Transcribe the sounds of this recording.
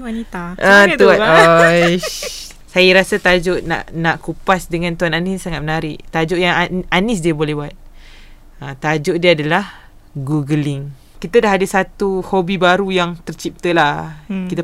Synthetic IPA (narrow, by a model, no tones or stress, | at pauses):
wanit̪aʔət̪uaoj | sajəɾasat̪ad͡ʒoʔna̰ʔnaʔkupasdəŋãnt̪uananɪssaŋat̪̚mənaɾɪʔt̪ad͡ʒoʔjaŋanɪs̬diabolɛhbat̪̚ | ət̪ad͡ʒʊʔdiaadalah | ɡuɡəlɪŋ | kit̪adaɦadasat̪uhobibaɾujaŋt̪ərt͡ʃip̚t̪əlahkit̪a